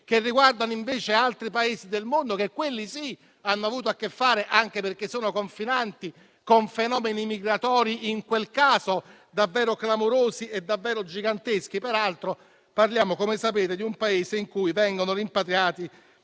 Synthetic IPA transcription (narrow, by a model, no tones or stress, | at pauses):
k̟erːiɡward̪anoiɱveːt͡ʃealt̪ɾipaeːzid̪elmond̪okekwelːisi | anːoavuːt̪oakːefːaːɾeʔaŋk̟eperk̟esːoːnokoɱfinant̪i | koɱfenɔːmenimiɡɾat̪ɔːɾiʔiŋkwelkaːzo | d̪avːɛːɾoklamoɾoːzied̪ːavːɛːɾod͡ʒiɡant̪esk̟ipeɾalt̪ɾo | parljaːmokomesapeːt̪ed̪iumpaeːzeiŋkujvɛŋɡonoɾimpat̪ɾjaːt̪i